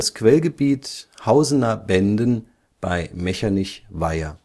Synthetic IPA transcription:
askv̥ɛlɡəbiːthaʊzənabɛndən | b̥aɪmɛçanɪçvaɪɐ̰

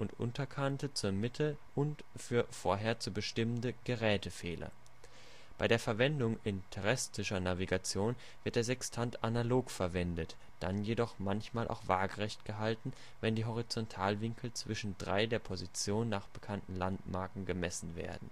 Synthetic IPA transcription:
ʔʊntʔʊ̰ntɐkʰantət͡suːɐmɪtʰəʔʊnt | fyːɐfoːɐɦeːɐt͡suːɐbəʃtɪməndəɡ̥əʁɛːtəfɛːlʔɐ̰ | b̥aɪɾeːɐfɛɐvɛndʊŋɪntʰɛʁɛstɪʃɐnaviɡat͡sjoːn | v̥ɪɐt̚d̥eːɐzɛkstʰantanaloːkfɛɐvɛndət | d̥a̰njedɔχmançmaːlʔa̰ʊxv̥aːɐɡəʁɛçtɡ̥əɦaltn̩ | vɛndiːɦɔʁ̞it͡sɔntʰaːlvɪŋkʰl̩t͡sv̥ɪʃn̩dʁa̰ɪdeːɐpʰozit͡sjoːnːaːχb̥əkʰantn̩lantmaɐkŋ̩ɡəmɛsn̩vḛːɐdn̩

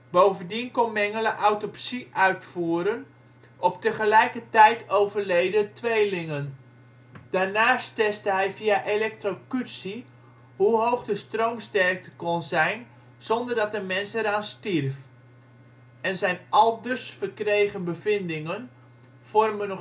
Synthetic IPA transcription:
bowvəndinkɔnmɛŋələʔawtɔpsiʔœɥtfuːɾən | ʔɔp̚təχəlɛjkətɛjtowvərlejdətʋejlɪŋən | d̥aːɹnaːstɛstəɦɛjfiaʔelɛk̚trokytsi | ɦuɦowχdəstrowmstɛrk̚təkɔnzɛjn | z̥ɔndərdɑtəmɛnsɛɾaːnstirf | ɛnzɛjnʔɑlˠdɵsfərkrejχənbəvɪndɪŋən | v̥ɔrmənɔ

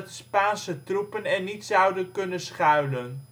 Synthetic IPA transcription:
tspaːnsətrupənɛnitsɑwdənkɵnənsχœɥlən

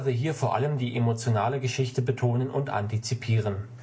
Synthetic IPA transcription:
ʁəɦiːɐfoːɐʔa̰ləmdiːʔemot͡sjonaːləɡəʃɪçtəbətʰoːnənʊntʔa̰ntit͡sipʰiːʁ̞ən

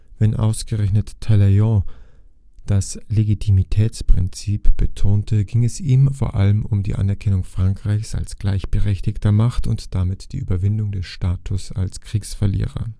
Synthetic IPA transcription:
vɛnʔa̰ʊsɡ̥əʁɛçnətʰːalaɔ̃ | d̥asleɡitʰimitʰɛːt͡spʁ̥ɪnt͡siːpb̥ətʰoːntʰəɡɪŋɛsiːmfoːɐʔaləmʊmdḭːʔa̰nɛɐkʰɛnʊŋfʁ̥aŋkʁ̥aɪçsa̰lsɡ̥laɪçb̥əʁɛçtɪçtʰɐmaχtʊntd̥amɪtd̥iːʔy̰ːbɐvɪndʊŋdɛsʃtaːtʰʊsa̰lskʁ̥iːksfɛɐlḭːʁɐ̰

